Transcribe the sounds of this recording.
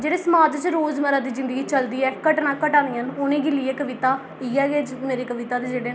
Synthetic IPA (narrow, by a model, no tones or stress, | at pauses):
d͡ʒeːɽeːsəmaːd̪t͡ʃɾoːzməɾaːd̪iːd͡ʒɪ̃nd̪əɡiːt͡ʃəld̪iːɛːkəʈnãːkəʈãːnd̪ɪjənʊnẽːɡɪlɪɛːkəʋɪt̪aː | iːɛːɡeːd͡ʒmeːɾeːkəʋɪt̪aːd̪ed͡ʒeːɽeː